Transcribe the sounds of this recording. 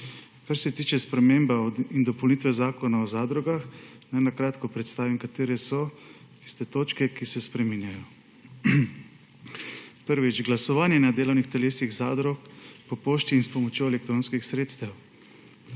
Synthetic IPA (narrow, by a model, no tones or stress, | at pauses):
kaɾsɛt̪iːt͡ʃɛspɾɛmembaind̪ɔpownit̪ʋɛzaːkɔnaɔzaːd̪ɾɔɡax | najnakɾaːt̪kɔpɾɛt̪st̪aːʋimkat̪eːɾɛsɔ | t̪i̥st̪ɛt̪oːt͡ʃkɛkisɛspɾɛminjajɔ | pəɾʋid͡ʒɡlasɔʋaːnjɛnad̪eːlɔwnixt̪ɛleːsiɣzaːd̪ɾɔkpɔpoːʃt̪iːnspɔmɔt͡ʃjoːɛlɛkt̪ɾoːnskixsɾeːt̪st̪aw